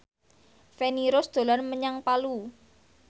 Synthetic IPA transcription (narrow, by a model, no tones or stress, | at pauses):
feniɾosd̪̥o̤larməɲaŋpalu